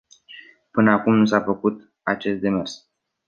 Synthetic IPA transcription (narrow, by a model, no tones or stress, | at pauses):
pɨnəakumnus̬afəkut̪ | at͡ʃe̞st̪d̪e̞me̞rs